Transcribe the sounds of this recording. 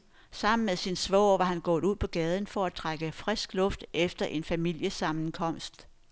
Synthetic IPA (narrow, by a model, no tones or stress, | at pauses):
sɑ̈m̰n̩meðˠsinsʋɒ̰ːʋɑ̈hænɡ̥ɔ̽ːðˠuð̰ˠpʰɒ̽ɡ̥ɛːð̞ˠən̩fɒ̽æt͡sʰʁaɡ̥əfʁɛsɡ̥lɔ̽fd̥efd̥ɐʔe̝nfæmil̰jəsɑ̈mn̩kʰɒ̽m̰sd̥